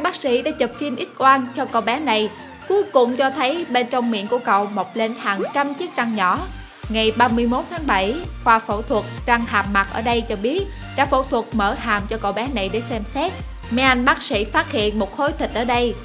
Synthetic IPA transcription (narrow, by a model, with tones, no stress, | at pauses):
ɓaː˦˥k̚sḭ˧˥ɗa̰ː˧˥t͡ɕə˨˩p̚fi˧ənʔi˦˥t̚ʔwaː˧nt͡ɕɔ˧kə̰˧˨wɓa˨˦na˨˩j | ku˨˦jkʊ̰˨wŋ͡mt͡ɕɔ˧t̪ʰə˨˦jɓe˧nt͡ɕɔ˧wŋ͡mmḭ˧˨ənku˧˩əkə̰˧˨wmo˨˩k͡p̚le˧nhaː˨˩ŋt͡ɕa˧mt͡ɕi˦˥ək̚t͡ɕa˧ŋɲɔ˧˩˦ | ŋa˨˩jɓaː˧mɨ˧əjmo˦˥t̚t̪ʰaː˨˦ŋɓə˧˩jxwaː˧fṵ˧˩t̪ʰwə˨˩t̚za˧ŋhaː˨˩m̚ma˨˩t̚ʔəː˧˩ɗə˧jt͡ɕɔ˧ɓi˦˥ət̚ | ɗa̰ː˧˥fṵ˧˩t̪ʰwə˨˩t̚məː˧˩haː˨˩mt͡ɕɔ˧kə̰˧˨wɓa˨˦na˨˩jɗe˧˩sɛ˧msɛ˦˥t̚ | mɛ˧ʔa˧nɓaː˦˥k̚sḭ˧˥faː˦˥t̚hḭ˧˨ənmo˨˩t̚xo˨˦jt̪ʰï˨˩k̟̚ʔəː˧˩ɗə˧j